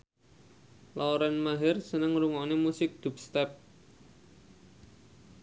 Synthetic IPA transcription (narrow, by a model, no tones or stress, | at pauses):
laoɾanmaɦɪrsənəŋɾuŋɔnemusɪk̚d̪̥ṳp̚st̪ɛp̚